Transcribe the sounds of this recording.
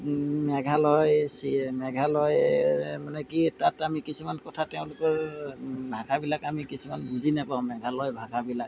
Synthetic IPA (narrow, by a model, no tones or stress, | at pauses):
mɛɡʱalɔjsimɛɡʱalɔjmanɛkitatamikisumankɔtʰatɛʊ̃lʊkɔɹ | bʱaɡʰabilakamikisumanbuzinapaʊmɛɡʱalɔjbʱaɡʰabilak̚